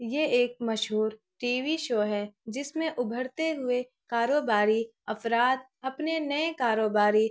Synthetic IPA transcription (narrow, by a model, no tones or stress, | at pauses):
jeeːk̚mɐʃɦuːɾ | ʈiːʋiʃoːɦɛd͡ʒɪsmẽʔʊbʱəɽt̪eɦʊe | kaːɾoːbaːɾiɐfɾaːt̪̚ɐpnenɐẽkaːɾoːbaːɾi